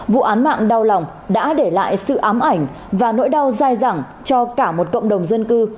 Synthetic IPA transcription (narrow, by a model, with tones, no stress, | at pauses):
vṵ˧˨ʔaː˨˦nma̰ː˧˨ŋɗa˧wla˨˩wŋ͡m | ɗa̰ː˧˥ɗe˧˩la̰ː˧˨jsɨ̰˧˨ʔaː˨˦mʔa˧˩jŋ̟ | vaː˨˩no̰˧˥jɗa˧wzaː˧jzaː˧˩ŋ | t͡ɕɔ˧kaː˧˩mo˨˩t̚kə̰˧˨wŋ͡mɗə˨˩wŋ͡mzə˧nkɨ˧